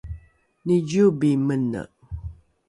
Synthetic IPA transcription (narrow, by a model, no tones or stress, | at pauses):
nid͡ʒubimənə̰ʔ